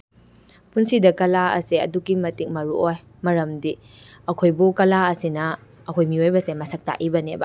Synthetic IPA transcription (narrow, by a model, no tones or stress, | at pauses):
punsidɐkɐlaɐ̰seɐ̰dukimɐtik̚mɐɾuoj | mɐɾɐmdi | ɐkʰojbukɐlaɐsinɐ | ɐkʰojmiojbɐsemɐsʰɐk̚ta̰ʔibɐnebɐ̰